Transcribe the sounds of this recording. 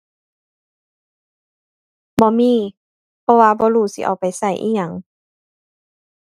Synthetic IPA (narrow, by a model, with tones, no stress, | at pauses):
bɔː˧˦miː˧˨ | pʰɔ˧waː˧bɔː˧˦ɾuː˧˩sḭ˧˦ʔa̰˨˩wpa˨˩jsa˧˩jʔḭː˧ɲa˧˩ŋ